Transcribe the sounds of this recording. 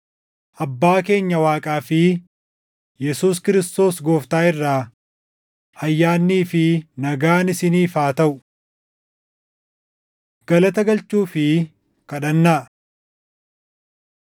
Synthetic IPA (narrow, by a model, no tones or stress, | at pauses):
ʔɐbːaːke̞ːɲːɐwaːkʼaːfɪ | jɛsuːs̬kɪɾɪst̪o̞ːsɡo̞ːft̪aːɪrːaː | hɐjːaːnːiːfɪnɐɡaːnɪsɪniːfaːt̪ɐʔʊ | ɡ̥ɐlɐt̪ɐɡɐlt͡ʃːuːfɪ | kɐᶑɐnːaː